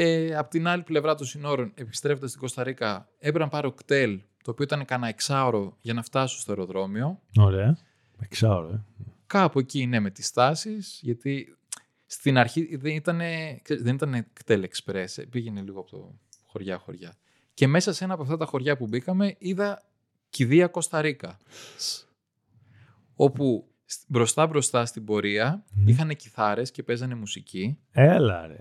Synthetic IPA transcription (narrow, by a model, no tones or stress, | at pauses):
eɐpot̪inɐliple̞vɾɐt̪osino̞ɾone̞pi̥st̪ɾe̞fod̪ɐst̪iɡo̞st̪ɐɾikɐ | e̞pɾɐnpɐɾeokt̪e̞lt̪o̞ːpioit̪ɐnekɐnɐeksɐoɾo̞ʝɐnɐft̪ɐssost̪o̞eɾo̞ðɾo̞mio̞oɾeɐ | eksɐoɾoekɐpuecine̞me̞t̪i̥st̪ɐsisʝɐt̪i | st̪inɐɾçiðenit̪ɐne̞kseɾizðe̞nit̪ɐnekt̪elekspɾe̞sḛbiʝe̞ne̞liɣoɐpot̪o̰ | xo̞ɾʝɐxoɾʝɐ | ce̞me̞sɐse̞nɐːpɐft̪ɐt̪ɐxo̞ɾʝɐpubikɐme̞iðɐ | ciðiɐko̞st̪ɐɾikɐ | o̞pu | bɾo̞st̪ɐbɾo̞st̪ɐst̪ibo̞ɾiɐixɐne̞ciθɐɾe̞sce̞pe̞zɐne̞musici | elɐ̰ɾḛ